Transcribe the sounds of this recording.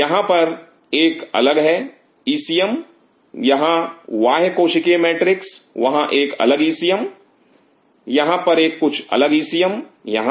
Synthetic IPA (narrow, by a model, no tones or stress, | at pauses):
jɐɦãpɐɾ | eːkɐ̰ləɡɦɛ | iːsijəm | jɐɦãʋaːɦekoːʃɪkemeːʈɾɪksʋɐɦãʔeːkɐ̰ləɡiːsijəm | jɐɦãpɐɾeːkːʊt͡ʃʰɐ̰ləɡiːsijəmjɐɦã